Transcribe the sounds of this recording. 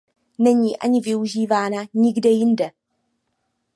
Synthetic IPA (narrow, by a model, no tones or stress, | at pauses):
nɛɲiːʔa̰ɲɪvɪuʒiːvaːnaɲɪɡdɛjɪndɛ